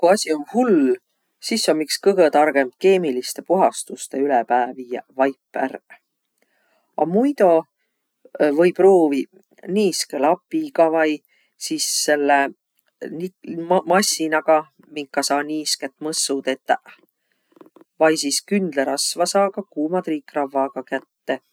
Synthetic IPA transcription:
kuɑsʲio̞nhul | sisːonmikskɤɡ̥et̪ɑrɡ̥e̞mt̪̚ke̞ːmilist̪e̞puɦɑst̪ust̪e̞ylepæːviːjɑvɑjpːˑæ̰r | ɑ̰mujd̪̥o̞ | vɤjproːvi | niːskelɑpːiɡɑvɑj | siːsːe̞lːe | nimɑsinɑɡ̥ɑ | miŋkːˑɑsɑːniːsket̪ːmɤsːud̪e̞t̪ːˑ | vɑjsiːskynd̪̥leɾɑsvɑsɑːkɑkuːmɑd̪ɾiːkrɑvːɑɡ̥ɑkæt̪ːe̞

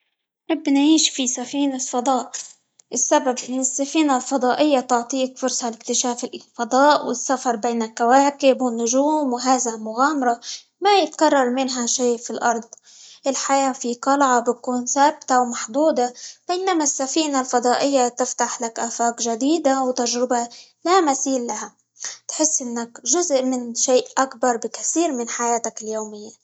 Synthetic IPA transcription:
ʔɪbːnʕiːʃfisafiːnalfɑd̪ˤɑːʔ | ʔɪsːababʔɪnːɪsːafiːnalfɑd̪ˤɑːʔɪjːat̪ʊʕt̪ˤiːkfʊɾsˤɑlɪk̚t̪ɪʃaːfɪlfɑd̪ˤɑːʔwɪ̰sːafɑɾˤbeːnɪkːawaːkɪbwɪnːʊʒuːmwɦaːzalmʊɣaːmɑɾˤɑ | majɪt̪kɑrˤːɑɾˤmɪnɦaʃeːfilʔɑɾˤd̪̚ˤ | ʔɪlħajaːfit̪ɑlʕɑbɪkuːnsaːb̚t̪awmaħd̪ˤuːd̪ab̥enamasːafiːnalfɑd̪ˤɑːʔɪjːat̪ɪft̪aħlakʔaːfaːkʒad̪iːd̪awt̪aʒɾɪbalamasiːlːaɦa | t̪ħɪsːʔɪnːakʒʊzʔmɪnʃeːʔʔakbɑɾˤbɪkaθiːɾmɪnħajaːt̪akɪljoːmɪjːa

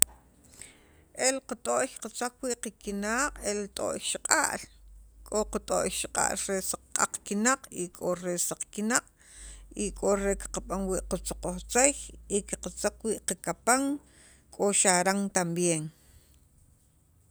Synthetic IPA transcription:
ʔelqat̪ʼoʔqat͡sakwiʔqikinaːqʼelt̪ʼo̰ʔjʃiqʼa̰ʔlkʼoqut̪ʼoʔjʃiqʼa̰ʔlɾesaq͡χqʼa̰q͡χkinaqʼikʼoɾesaq͡χkinaqʼ | ikʼoɾeki̥qaɓaŋwiːʔqut͡soqoχt͡sejikiqat͡sakwiːʔqakapaŋ | kʼoʃaɾaŋt̪ambjeːŋ

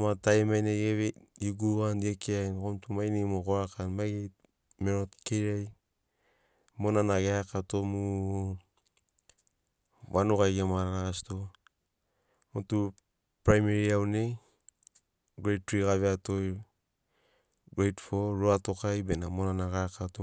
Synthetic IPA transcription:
matajmajneɡeβejuɡuanekeajnkomtumajnemukoakanmajɡej | meɾotkeɾaj | monanaɡeakatomu | βanukajɡemaɾaɾaɣasto | motu | pɾajmeɾiawne | ɡejt̚ɾikaβeatoj | ɡɾejtfoɾoatokajbenamonanaɡaakato

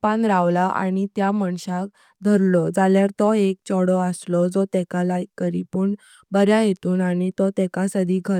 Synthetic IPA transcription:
panɾaʋlaʔa̰ɽ̃it̪jaməɳɕak | d̪ʱəɾlɔd͡zaljaɾt̪ɔek̚t͡ɕɔɽɔəslɔd͡zɔt̪ɛkalakːəɾipuːɳ | bəɾjajet̪uːnaɽit̪ɔt̪ɛkasəd̪ʱiɡʱə

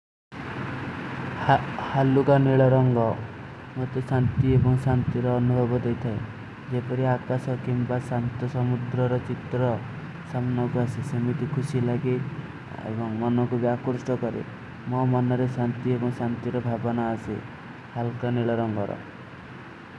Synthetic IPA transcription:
halukaneɭɔɾɔŋɡɔ | mot̪esant̪iebɔŋsant̪iɾɔːnubʱɔbɔd̪ejt̪ʰae | d͡ʒepɔɾiakasɔkimbasant̪ɔsɔmud̪ɾɔɾɔt͡ʃit̪ɾɔ | samnɔkuasisemit̪ikʰusilaɡi | ḛbɔŋmɔnɔkubjakuɾsʈɔkɔɾḭ | mɔmɔnɔɾesant̪iebɔŋsant̪iɾɔbʱabɔnaːsḭ | halukaneɭɔɾɔŋɡɔɾɔ̰

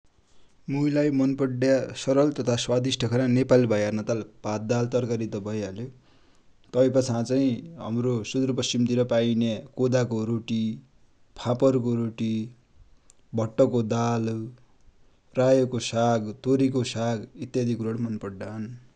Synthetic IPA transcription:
mujlajmʌnpʌɖjasʌɾʌlt̪ʌt̪ʰaswad̪isʈʰʌkʰʌɾanepalibʱʌjarnʌt̪alpat̪̚d̪alt̪ʌrkaɾit̪ʌbʱʌjalo | t̪ʌjpʌt͡sʰãt͡saĩɦa̰mɾosud̪urpʌst͡simt̪iɾʌpainekod̪akoɾoʈi | pʰapʌrkoɾoʈi | bʱʌʈːʌkod̪al | rajʌkosaɡt̪oɾikosaɡit̪jad̪ʱikuɾoɽmʌnpʌɖːan

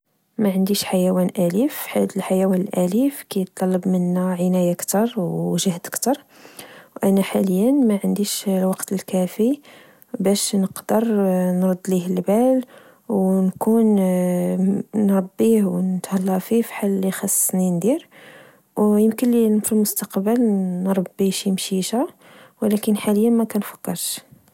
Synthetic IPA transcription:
mæʕənd̪iʃħajæwænʔælifħat̪əlħajæwænəlʔælifkæjət̪ˤːɑlːɑbmənːæʕənæjakt̪ɑɾˤwʒəhd̪əkt̪ɑɾˤ | wʔænæħaləjːænmæʕənd̪iʃlwɑqt̪əlkæfi | bæʃnəqd̪əɾˤnɾˤɑd̪ːlihlbæl | wnkun | nɾˤɑbːihwnət̪hɑlːɑfifi̥ħalːixɑsˤːsnind̪iɾ | wjəmkənlifilmʊst̪ɑqbəlnɾˤɑbːiʃimʃiʃa | wlækənħaləjːənmækænfæ̥kːɑɾˤʃ

